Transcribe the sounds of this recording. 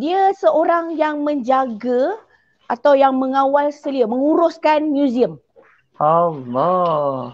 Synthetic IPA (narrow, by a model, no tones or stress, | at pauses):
diasəʔoɾaŋjaŋmə̃ɲd͡ʒaɡa | at̪awjaŋməŋãwalsəliəmə̃ŋuɾʊskanmjuziəm | alɔ